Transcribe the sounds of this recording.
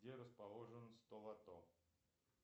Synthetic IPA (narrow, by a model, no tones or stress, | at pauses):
dʲeɾəspɐlˠoʐɨnst̪olˠɐt̪o